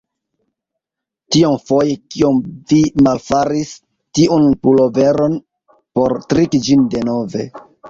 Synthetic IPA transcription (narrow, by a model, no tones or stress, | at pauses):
tiumfo̞jekiomvimalfaɾis | tiʔunpulo̞ve̞ɾo̞n | po̞ɾtɾikid͡ʒinde̞no̞ve̞̰